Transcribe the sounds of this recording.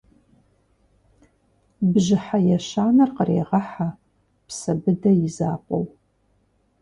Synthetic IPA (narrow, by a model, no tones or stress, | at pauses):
bʒɪħajɛʃaːnɐrqərḛːʁɐħa | psɐbɨdɐjɪzaːqʷʼo̰w